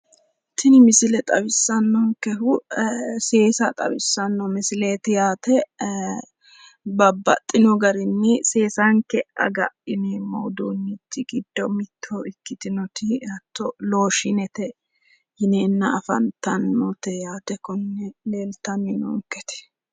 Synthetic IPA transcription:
t̪ʰɪnɪmɪsɪlɛt̪ʼɐbɪsːɐnːɔŋkɛɦʊ | se̞ːsɐt̪ʼɐ̰bɪsːɐnːɔmɪsɪleːt̪ɪjaːt̪ɛ | bɐbːɐ̰t̪ʼːɪnɔɡɐɾɪnːɪse̞ːsaŋkɛɐ̰ɡɐ̰ʔɪnɛmo̰ːd̪oːnːɪt̪ːɪɡɪd̪ːɔmɪt̪ʰːɔɪkːɪt̪ɪnɔt̪ɪɐt̪ːɔloːʃɪnɛt̪ɛ | hɪneːnːɐɐfɐ̰nt̪ɐnːɔt̪ɛjaːt̪ɛkɔnːɛleːlt̪ːɐnːɪnɔ̰ŋkɛt̪ɛ̥

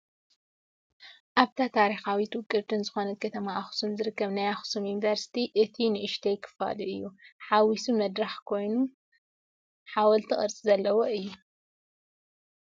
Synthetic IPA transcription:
ʔaβt̪ʰat̪ʰaɾixawit̪wɨkʼːɨβt̪ʰɨnzɨxo̞nɐt̪̚kʰɐt̪ʰɐmaːxu̥sumzɨɾɨkːɐβnajaxu̥sumjunivɐɾsi̥t̪ʰiʔɨt̪ʰinɨʔɨʃt̪ʰejkʰːɨ̥fa̰luʔɨjːuħawisumɐd̪ɾaħkʰo̞jnu | ħawɐlt̪ʰɨχʼɨ̰ɾt͡sʼizɐlːɐwoʔɨjːu

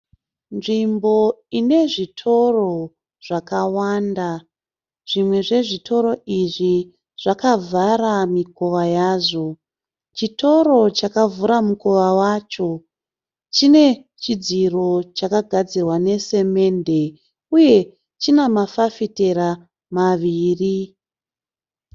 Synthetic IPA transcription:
nʐimbo̞ine̞ʐitʰo̞ro̞ | ʐ̥akawanda | ʐ̥imwe̞ʐe̞ʐitʰo̞ɾo̞iʐi | ʐ̥akavaɾamikoʋajaːʐo̞ | t͡ʃito̞ɾo̞t͡ʃakavuɾamukoʋawat͡ʃo̞ | t͡ʃine̞ | t͡ʃid͡ziro̞t͡ʃakaɡʱad͡zirwane̞se̞me̞nde̞ | uje̞ | t͡ʃinemafafite̞ɾa | maʋiːri

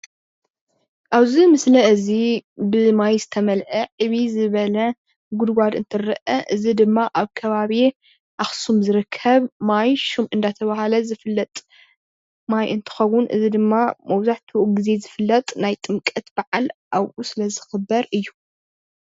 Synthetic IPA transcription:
ʔaβzimɨslɐɨzibɨmajzɨt̪ʰɐmɐlʕɐʕɨβizɨβɐlɐ | ɡʊd̪ɡʷad̪ɨnt̪ʰɨɾɐʔɐʔɨzid̪ɨmːaʔaβkʰɐβaβi | ʔaxsumzɨɾɨkʰːɐβmajʃumʔɨnd̪at̪ʰɐβahalɐzɨfɨlːɐt̪ʼ | majʔɨnt̪ʰɨ̥xɐwːʊnʔɨzid̪ɨmːamɐwzaħt̪ʰɡɨze̞zɨfɨlːɐt̪ʼnajt̪ʼɨmkʼɐt̪b̥aʕalʔaβʔusɨlɐzɨxɨbɐɾɨjːu

